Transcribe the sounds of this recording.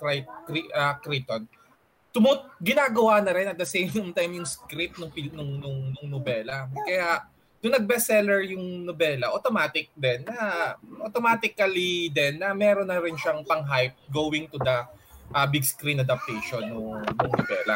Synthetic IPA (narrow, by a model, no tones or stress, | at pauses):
kɾajp̚kɾiʔɐkɾit̪on | t̪ʊmot̪̚ɡɪnaːɡɐwanɐɾɪnʔɐt̪̚d̪ɐsejmmt̪ajmjʊŋskɾip̪̚nʊŋpɪnʊŋnʊŋnʊŋnobɛːlɐkɐjaʔ | nʊŋnɐɡ̚bɛsɛlɛɹjʊŋnobɛːlɐʔot̪omaːt̪ɪk̚d̪ɛnːɐʔot̪omaːt̪ɪkɐlid̪ɛnːɐmɛːɾonːɐɾɪnʃaŋpɐŋɦajp̚ɡoːwɪŋt̪ʊd̪ɐʔɐbiɡskɾinɐd̪ɐp̚t̪ɛjʃonːʊŋːʊŋnobɛ̰ːlɐ̰